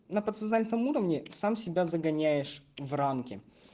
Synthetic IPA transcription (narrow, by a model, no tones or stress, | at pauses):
nɐpət̪sɐznalʲt̪əmuɾəvnʲɪsamsʲɪbʲazəɡɐnʲæjɪʂvramkʲɪ